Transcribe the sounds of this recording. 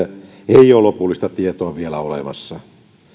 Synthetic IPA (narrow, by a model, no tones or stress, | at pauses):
eijˑoːˑlopulːist̪ɑt̪iet̪oɑʋielæolḛmɑ̰sːɑ